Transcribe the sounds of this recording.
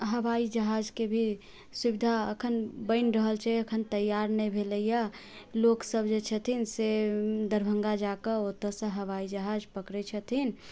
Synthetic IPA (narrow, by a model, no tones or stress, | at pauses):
ɦəʋaid͡ʒəɦad͡ʒkebʱi | subid̪ʱaəkʰənbəɪnɾəɦəlt͡ʃʰɛəkʰənt̪əjaɾnəjbʱeləija | loksəbd͡ʒet͡ʃʰət̪ʰinsed̪əɾbʱə̃ŋɡad͡ʒakəot̪ːəsə̃ɦəʋaid͡ʒəɦad͡ʒpəkɾɛt͡ʃʰət̪ʰin